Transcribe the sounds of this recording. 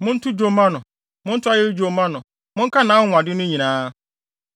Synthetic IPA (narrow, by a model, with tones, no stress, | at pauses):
mʊ̃˦n̩˦tʰʊ˦d͡ʑo˨mã˦nʊ̃˨ | mʊ̃˦n̩˦tʰʊ˦a˦jɛ˦d͡ʑo˨mã˦nʊ̃˨ | mʊ̃˦ŋ̩˦kʰa˦nãː˨˦˨a˨dɪ˦nʊ̃˦ɲĩ˨nãː˦